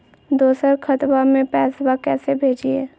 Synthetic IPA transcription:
d̪oːsəɾkʰət̪bamẽpɛːsbakɛːsebʱeːd͡ʒiɛː

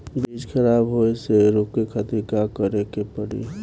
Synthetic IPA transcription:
bid͡ʒkʰəɾabɦoeseɾokːekʰət̪ikakəɾekepəɽḭ

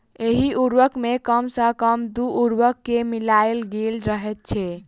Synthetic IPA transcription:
eɦiʔuɾʋəkmekəmsəkəmd̪uʔːɾʋəkːemilaelɡelɾəɦɛt̪̚t͡ʃʰɛ

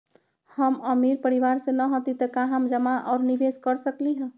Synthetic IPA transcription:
həməmiɾpəɾiʋaɾsẽnəɦõt̪it̪əkaɦamd͡ʒəmaʔaʊɾnibeskəɾsəkliɦə̃

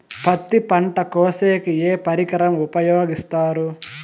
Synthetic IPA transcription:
pɐt̪ːipɐɳʈɐkoːseːkieːpɐɾikɐɾɐmupɐjoːɡist̪aːɾu

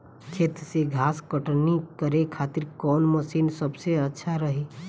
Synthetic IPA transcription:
kʰeːt̪ɾseɡʱaːskəʈnikəɾekʰaːt̪ɪɾkɔːnməsiːnsəbseətːʃʰaɾəɦe

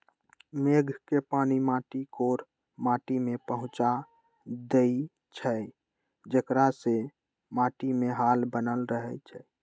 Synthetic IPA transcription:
meɡʱkepanimaʈikoɾ | maʈimepəɦũt͡ʃa | d̪e | t͡ʃʰə | d͡ʒekɾase | maʈimeɦalbənəlɾəɦɛt͡ʃʰɛ

